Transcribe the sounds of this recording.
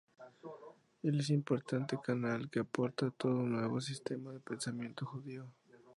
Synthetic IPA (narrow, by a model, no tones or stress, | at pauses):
eles̬impoɾt̪ant̪ekanalkeapoɾt̪at̪oðonweβos̬ist̪emaðepensamje̞nt̪oxuðio